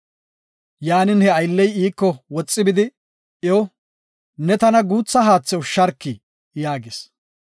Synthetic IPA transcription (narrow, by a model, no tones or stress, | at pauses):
jaːnɪnhɛɐjlːɛjiːkːɔwɔt͡sʼːɪbɪd̪ɪ | o | nɛt̪ɐnɐɡuːt͡sːɐɦaːt͡sːɛwʃɐɾkːɪ | jaːɡɪs